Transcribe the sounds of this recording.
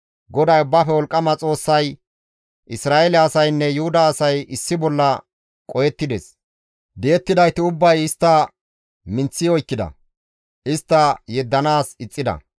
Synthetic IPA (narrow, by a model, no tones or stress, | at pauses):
ɡɔd̪ɐjʊbːaːfɛwɔlkʼːɐmɐt͡sʼo̞ːsːɐj | ʔɪsɾaːʔelɛɐsɐjnːɛjʊhʊd̪ɐːsɐjɪsːɪbɔlːɐ | kʼɔjɛt̪ːɪd̪ɛs | d̪ejɛt̪ːɪd̪ɐjt̪ɪʊbːɐjɪst̪ːɐ | mɪnt͡sːɪjɔjkːɪd̪ɐ̰ | ʔɪst̪ːɐjɛd̪ːɐnaːsɪt͡sʼːɪd̪ɐ̰